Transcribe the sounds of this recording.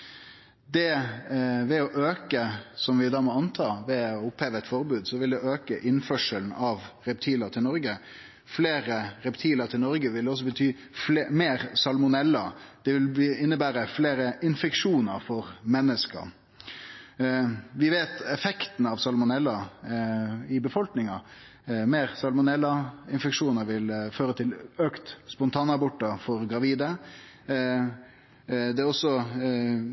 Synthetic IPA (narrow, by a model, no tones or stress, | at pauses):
d̪ɛ | ʋɛɔʔøːkəsɔmʋɪd̪ɑːmɔɑnt̪ʰɑːʋɛɔʊpheːʋəɛt̪fɔɾbʉːd̪sɔʋɪld̪ɛʔøːkəʔɪnfœʂəln̩ɑʋɾɛp̚t̪ʰiːlɑt̪ʰɪlnɔɾɡə | fleːɾəɾɛpt̪ʰiːləɾt̪ʰɪlnɔɾɡəʋɪld̪ɛɔs̬ɔbət̪ʰyː | fmeːɾsɑlmʊnɛlːɑd̪̥ɛʋɪlɪnːəbæːɾəfleːɾəʔɪnfɛkʂuːnəɾfɔɾmɛnːəskə̰ | ʋɪʋeːt̪ɛfɛkt̪n̩ɑʋsɑlmʊnɛlːɑ | ɪbəfɔlknɪŋɑ | meːɾsɑlmʊnɛlːɑɪnfɛkʂuːnəɾʋɪlføːɾət̪ʰɪløːkt̪spʊnt̪ʰɑːnɑbɔʈːɑfɔɾɡɾɑʋiːd̪ə | d̪ɛɔsɔ